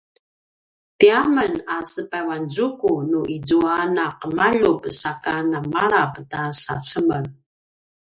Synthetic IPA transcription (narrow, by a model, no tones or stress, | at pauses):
tiamənasəpawanzukunuʔid͡zuanaqəmaʎupsakanamaɾaptasa̰t͡səmən